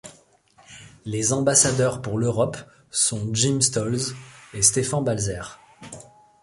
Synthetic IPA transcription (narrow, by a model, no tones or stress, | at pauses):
lezɑ̃basad̪œʁpuʁløʁɔp | sɔ̃ʒimst̪ɔlzest̪efɑ̃balzɛːʁ